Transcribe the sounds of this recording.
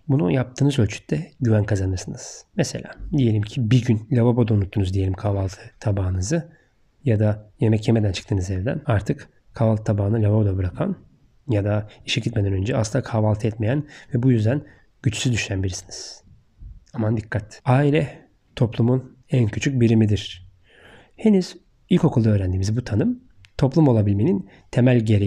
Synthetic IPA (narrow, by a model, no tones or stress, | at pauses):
bunujap̚t̪ʰɯːnɯzølʲt͡ʃʰy̥c̚t̪ʰːɛɟyvænkʰazanɯɾsɯnɯz̥mɛse̞lʲa̰ːd̪ije̞lʲimcʰibiɾɟynlʲababod̪aunut̪ʰːunuzd̪ije̞lʲimkʰaːvalˠt̪ʰɯ̥t̪ʰːabaːɯnɯzɯ | jad̪aje̞mɛcjeme̞d̪ænt͡ʃʰɯ̥kt̪ɯːnɯzɛvd̪æ̰naɾt̪ʰɯk | kʰavalˠt̪ʰɯt̪ʰabaːɯnɯlʲababod̪abɯɾakʰa̰n | jad̪aiʃɛɟit̪me̞d̪nønd͡ʒɛaslɯnd̪akʰavalˠt̪ʰɯɛt̪me̞jænvɛbujyzd̪æn | ɟ̥yt͡ʃsyzd̪yʃænbiɾisiniz̥ | amand̪ikʰːat̪aːilʲɛ | t̪ʰo̞plˠumun | æncʰyt͡ʃʰyc̚biɾimid̪iɾ̥ | he̞nyz̥ | ilʲko̞kʰulˠd̪aøːɾænd̪iːmizibut̪ʰanɯm | t̪ʰo̞plˠumo̞lˠabilʲmenin | t̪ʰemælʲɟe̞ɾi